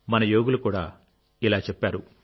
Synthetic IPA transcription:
mɐnɐjoːɡulukuːɽa̰ː | ilaːt͡ʃepːaːɾu

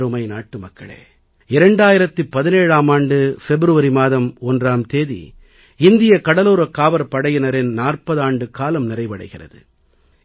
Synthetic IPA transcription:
ɾɯmɐɪnaːʈːɯmɐkːɐ̰ɭḛː | ɪɾɐɳɖaːjɪɾɐt̪ːɯpːɐðɪneːɻaːmaːɳɖɯfɛbɾɯʋɐɾimaːðɐmɔndraːmt̪eːðḭ | ɪnd̪ɪjɐkɐɽɐluːɾɐkːaːʋɐɾpɐɽɐjɪnɐɾɪnnaːrpɐðaːɳɖɯkaːlɐmnɪrɐɪʋɐɽɐ̰ɪɣɪrɐ̰ðɯ̰

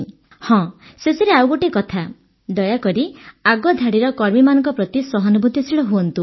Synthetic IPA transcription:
hɔ̃sesiɾeawɡoʈikɔt̪ʰa | d̪ɔjakɔɾiaɡɔd̪ʱaɽiɾɔkɔɾmimanɔŋkɔpɾɔt̪isɔɦɔnubud̪ʱːisiɭɔɦuɔnt̪u

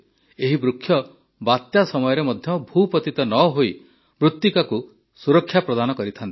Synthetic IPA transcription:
eɦibɾukʰːjɔ | bat̪jasɔmɔjɔɾemɔd̪ʱjɔbʱupɔt̪it̪ɔnɔɦoi | bɾut̪jikaku | suɾɔkʰːjapɾɔd̪anɔkɔɾit̪ʰant̪i̥

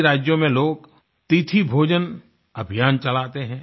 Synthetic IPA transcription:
ɾaːd͡ʒjõmẽloːɡ | t̪it̪ʰibʱoːd͡ʒən | ɐbʱijaːnt͡ʃɐlaːt̪eɦɛ̃ː

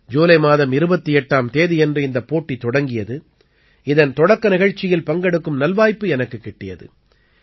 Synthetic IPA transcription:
d͡ʒoːlɐɪmaːðɐmɪɾɯbɐt̪ːiɛʈːaːmt̪eːðiɛndrɯɪnd̪ɐpːoːʈːit̪ːɔɽɐŋɡɪjɐðɯ | ɪðɐnt̪ɔɽɐkːɐnɪɣɐɻt͡ʃːɪjɪlpɐŋɡɛɽɯkːɯmnɐlʋaːjpːɯɛnɐkːɯkːɪʈːɪjɐ̰ðɯ̰

